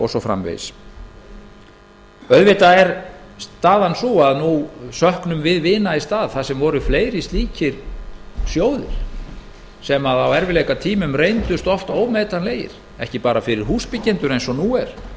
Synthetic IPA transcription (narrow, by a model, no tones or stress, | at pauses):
ɔsɔfɾa̰mvḛjs | œðvɪt̪aɛɾst̪aːðansuaðnusœhknʏmvɪðvɪːnaɪst̪aːðθasɛmvɔɾʏfleːjɾist̪liːcʰɪɾ̥sjoːwðɪ̰ɾ̥ | sɛmaðawɛɾvɪlejkat̪ʰiːmʏmrejnt̪ʏst̪ɔft̪oːwmeːt̪anleːjɪ̰ɾ̥ | ɛ̰hcɪpaːɾafɪɾɪɾ̥ɦuːspɪcɛnt̪ʏɾejnsɔnuɛɾ̥